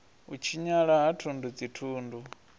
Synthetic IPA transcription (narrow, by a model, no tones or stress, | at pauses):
ut͡ʃʰiɲaɺaɦatʰundud͡zitʰuːndu